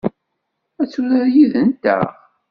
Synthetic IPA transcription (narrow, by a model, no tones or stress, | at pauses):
æt͡sːʊɾaɾjiðənt̪æ̰ʁ